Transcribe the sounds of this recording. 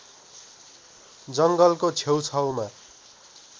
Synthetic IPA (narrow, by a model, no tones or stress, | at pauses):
d͡zʌŋɡʌlkot͡sʰewt͡sʰʌwma